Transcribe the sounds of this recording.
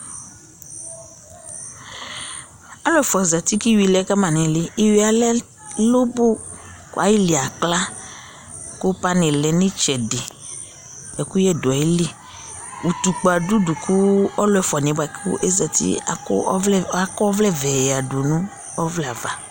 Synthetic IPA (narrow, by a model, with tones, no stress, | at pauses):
a˦lɔ˦ɛ˨fɔ˨za˨t̪i˦ki˦wi˨lɛ˨˦ka˦mã˨nĩ˨lɪ˦i˦wi˨˦a˨lɛ˦ | lo˦bo˦ | ka˨ji˦li˨a˨kla˦ | ku˦pa˦nɪ̃˨lɛ˨nĩ˦t͡ʃɛ˨de˨ | ɛ˨ku˦jɛ˦do˨a˨i˦li˦ | wu˨t̪u˨k͡pa˨du˦du˨kʰu˦ɔ˦lɔ˨ɛ˨fɔ˨ɲɛ̃˨ba˨kṵ˦ʔe˦za˨t̪ḭ˦a˨˦a˦kɔ˦ɔ˦vlɛ˦vɛ˨ja˨do˨nũ˦ | ɔ˦vlɛ˦˨a˨va˨